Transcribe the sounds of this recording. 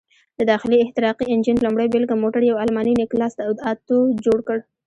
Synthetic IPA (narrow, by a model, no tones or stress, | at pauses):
d̪̥əd̪ɑxɪliɪht̪ɪɾɑqiɪnd͡ʒɪnlʊmɽəjbɪlɡamoʈaɾjawalmɑninɪklɑsd̪aʊd̪ɑt̪od͡ʒoɽkəɽ